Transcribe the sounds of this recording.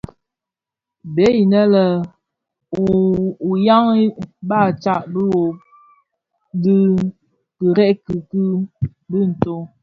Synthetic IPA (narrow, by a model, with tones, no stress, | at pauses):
be˨˦ji˨nə˦lə˨ | u˨ja˦ŋ˦ba˦˨t͡ʃa˦˨ʔbə˦wo˨ | di˦ | kɨ˨ɾɛ˦ʔki˨kɨ˦ | bə˦n̩˨to˦